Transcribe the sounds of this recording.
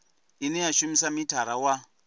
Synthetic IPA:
inijaʃumisamitʰaɾawa

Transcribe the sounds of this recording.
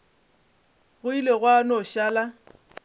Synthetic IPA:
ɣʊileɣwanɔʃaːla

